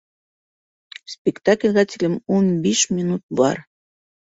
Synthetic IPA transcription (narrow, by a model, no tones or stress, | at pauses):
spʲɪkt̪aklʲʁæt̪ʲilʲɘmunbiʃmʲɪnut̪̚bɑ̰ɾ